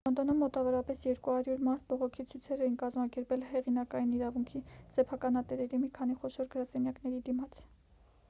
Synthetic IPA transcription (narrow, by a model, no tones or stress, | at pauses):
lɔnd̪ɔnumːɔt̪ɑvɔɾɑpɛsjɛɾkuhɑɾjuɾmɑɾt̪̚ʰbɔʁɔkʰit͡sʰujt͡sʰɛɾɛjinkɑzmɑkɛɾpɛlhɛʁinɑkɑjiniɾɑvuŋkʰisɛpʰɑkɑnɑt̪ɛɾɛɾimikʰɑniχɔʃɔɾɡəɾɑsɛnjɑkn̪ɛɾid̪imɑt͡sʰ